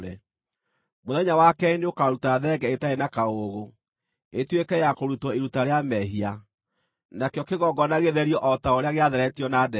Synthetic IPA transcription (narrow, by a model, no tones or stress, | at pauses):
ɾɛ | moðɛɲawakɛneokaɾutaðɛɡɛetaenakaoɣo | etwekɛjakoɾutɔiɾutaɾeamɛɦia | nakjɔkeɣɔɡɔnaɣeðɛɾiɔʔɔtaoɾeaɣeaðɛɾɛtiɔnadɛ